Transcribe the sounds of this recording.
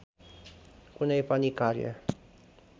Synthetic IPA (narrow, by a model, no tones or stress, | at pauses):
kunajpanikaɾja̰